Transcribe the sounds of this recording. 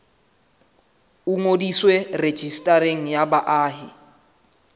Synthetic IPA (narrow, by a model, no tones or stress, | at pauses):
uŋodiswɛred̥ʒ̥ʱistʼaɾeŋ̩jabaʔaːɦɪ